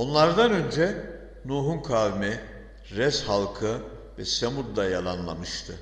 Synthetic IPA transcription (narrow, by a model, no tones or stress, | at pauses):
o̞nlˠaɾd̪anø̞nd͡ʒɛ | nuːɦunkʰaːvimɛ | ɾɛshalˠkʰɯ | vɛsemud̪ːajalˠanlˠamɯʃt̪ʰɯ